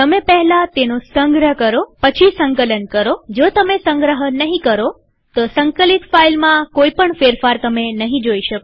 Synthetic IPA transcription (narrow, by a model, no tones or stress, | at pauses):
t̪əmepəɦɛlat̪enosəŋɡɾəɦkəɾopət͡ʃʰisə̃ŋkələnkəɾod͡ʒot̪əmesə̃ŋɡɾəɦənəɦĩkəɾo | t̪osəŋkəlit̪failmãkoipəɳfeɾfaɾt̪əmenəɦĩd͡ʒoiʃəko